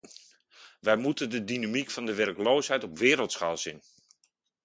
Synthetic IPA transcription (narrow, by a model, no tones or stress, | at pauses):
ʋɛjmutəndədinamikfɔndəʋɛrkloːsɦɛjtɔpʋɪːɾəlˠtsxalˠsin